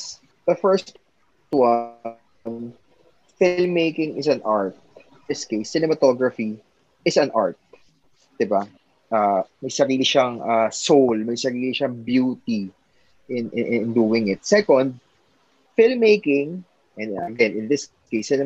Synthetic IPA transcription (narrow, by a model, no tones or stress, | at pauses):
ðɐfɛɹst̪ | wa | n | fɪlmːejkɪ̃ŋɪsɐ̃nʔaɹt̪̚ | dɪskejsːɪnɛmɐt̪oɡɹɐfi | ɪsɐ̃nʔaɹt̪̚ | d̪̥ɪba | ʔaːmɐjsɐɾiːlɪʃɐŋʔaːsowlmɐjsɐɾiːlɪʃɐŋbjuːt̪i | ʔɪnʔʔɪnd̪uːwɪŋɪt̪̚sɛkɔnd̪̚ | fɪlmːejkɪ̃ŋ | ʔɛ̃nɐ̰ɡɛ̃nɪ̃nðɪs | kejsːɪnɛ